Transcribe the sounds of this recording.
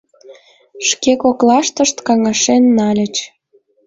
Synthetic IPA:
ʃkekoklɑʃt̪əʃt̪kɑŋɑʃenːɑlʲə̆t͡ɕ

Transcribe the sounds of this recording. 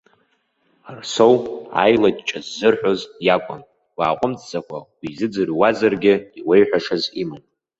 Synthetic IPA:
arsowa̰jladʼt͡ʃʼazːɨrħʷᶣozjakʷʼʊn | waːqʷʼʊmt͡sʼt͡sʼakʷʰawʷizɨd͡zɨrwazarɡʲɪiwejħʷᶣaʂazimɨn

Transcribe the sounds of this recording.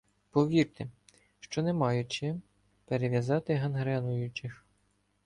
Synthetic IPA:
pɔʋʲirt̪ɪ | ʃt͡ʃɔnemɑjʊt͡ʃɪ | peɾeʋʲjɐzɑt̪ɪɦɐnɦɾɛnʊjʊt͡ʃɪx

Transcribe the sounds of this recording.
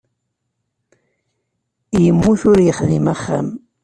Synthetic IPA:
jəmːuθʊɾjəχðimaχːa̰m

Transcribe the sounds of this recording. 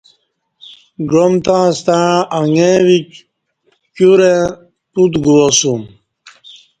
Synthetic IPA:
ɡomt̪ãːst̪ãʔaŋẽwik | kuɾẽ | tut̪ɡuwosum

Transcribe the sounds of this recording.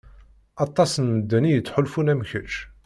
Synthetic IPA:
ɑt̪ˤːɑsənməd̪ːænijət͡sːħʊlfunæmçəʃ

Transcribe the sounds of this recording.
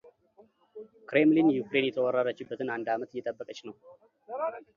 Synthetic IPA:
kɾe̞mlinjukɾe̞njɛt̪ʰəwərːəɾət͡ʃːɪbːət̪ʰɨnand̪amət̪ɨɪjːɛt̪ʼəbːəkʼət͡ʃːnəw

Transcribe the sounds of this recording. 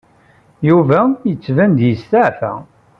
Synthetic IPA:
juvæjət͡sːvænd̪jəst̪aʕfæ̰

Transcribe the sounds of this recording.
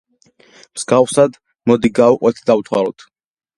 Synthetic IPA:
msɡafsad̪ | mɔd̪iɡauqʼwɛt̪ʰd̪aut̪ʰwa̰ɾɔ̰t̪ʰ

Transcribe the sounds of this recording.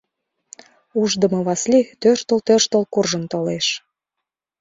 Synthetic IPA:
uʒd̪ə̆mɤ̆βɑslʲit̪øʃt̪ə̆lt̪ørʃt̪əlkurʒənt̪oleʃ

